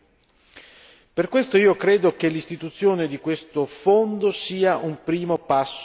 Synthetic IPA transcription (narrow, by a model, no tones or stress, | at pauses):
perkwest̪oiːokɾeːd̪ok̟elist̪it̪ut̪sːjoːned̪ikwest̪ofond̪osiːaʔumpɾiːmopasː